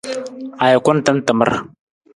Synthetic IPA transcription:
a˨ja˨kʷa˦n˦ta˦n˦tə˨mə̰˦ɾ

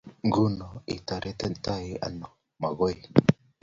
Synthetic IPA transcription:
ŋɡu˦no˨ḭ˨ta˨ɾe˦te˦nta˦ji˨a̰˨no˨ | ma˨ɡo˦j

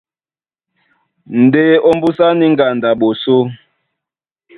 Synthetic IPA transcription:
n̩˨de˦o˦m˦bu˦sa˦ni˦ŋ̩˦ɡa˨nda˨ɓo˨so˦

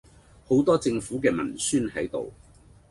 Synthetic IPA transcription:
ho˨˥wt̪ɔː˥t͡sɪ˧ŋfuː˨˥kɛː˧mɐ̰˨˩nsyː˥nhɐ˨˥jt̪o̰˨w

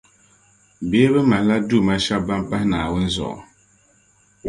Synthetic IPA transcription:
beː˨˦bɨ˦ma˨n˦la˦du˦˨ma˦ʃa˦bba˦mba˦hnaː˨wʊ˦n˦zɔ̰˨ʔɔ̰˨

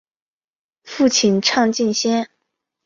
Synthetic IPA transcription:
fu˥˩t͡ɕʰi˨˩nʈ͡ʂʰɑ˥˧ŋt͡ɕi˥˩nɕjɛ˥n

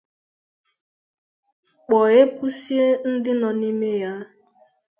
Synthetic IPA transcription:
k͡pɔ˨e˦pu˦si˦e˦n̩˦dɪ˦nɔ˨ni˦me˦ja˦

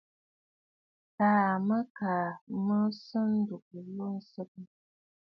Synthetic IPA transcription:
taː˨mə˦ka˨mə˦sɨ˦n˦du˨k̚ə˨lo˦n̩˦sɨ˦k̚ə˦

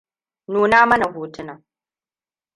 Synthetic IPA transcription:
noː˨naː˦mɐ˦na˨ɡoː˨tɪ˦naː˨

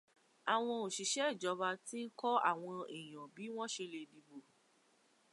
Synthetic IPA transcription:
a˨w̃ɔ̃˧o˨ʃi˨˦ʃɛ˨˦i˦˨d͡ʒɔ˨˦ba˧ti˦n̩˦kɔ˦a̰˦˨w̃ɔ̃˧i˨j̃ɔ̃˨bi˨˦w̃ɔ̃˦ʃe˧le˧di˧bo˨

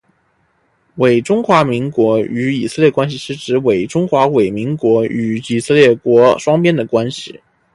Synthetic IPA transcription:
we˨˩ɪʈ͡ʂʊ˥ŋxwa˧˥mi˧˥ŋkwɔ˧˥y˧˥i˨˩sɤ˥˧ljkwa˥nɕ̬i˨ʂɻ̩˥ʈ͡ʂɻ̩˧˥we˨˩ɪʈ͡ʂʊ˥ŋxwa˧˥we˨˩ɪmi˧˥ŋkwɔ˧˥y˧˩i˨˩sɤ˥˧ljɛ˥˩kwɔ˧˥ʂwɑ˥ŋpjɛ˥nd̪ə˨˩kwa˥nɕi˨˩

